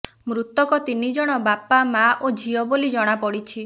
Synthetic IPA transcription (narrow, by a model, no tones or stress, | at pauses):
mɾut̪ɔkɔt̪inid͡ʒɔɽ̃ɔbapamaʔod͡ʒʱiɔbolid͡ʒɔɽ̃apɔɽit͡ʃʰi